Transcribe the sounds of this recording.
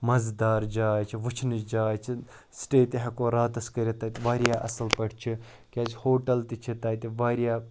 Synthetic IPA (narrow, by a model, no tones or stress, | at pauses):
mɐzd̪aːɾd͡ʒaːt͡ʃʰiʋut͡ʃʰnɨt͡ʃd͡ʒaːt͡ʃʰi | sʈeːt̪iɦɐkoːɾaːt̪ɐskɐɾʲit̪ɐt̪iʋaːɾjaːʔɐsɐlpɐɽt͡ʃʰi | kʲaːt͡ʃʰhoːʈɐlt̪it͡ʃʰit̪aːt̪iʋaːɾjaː